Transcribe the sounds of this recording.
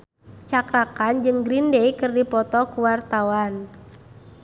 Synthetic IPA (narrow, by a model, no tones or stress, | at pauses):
t͡ʃakɾakand͡ʒɨŋɡɾindeikɨrdipɔt̪ɔkuwart̪awan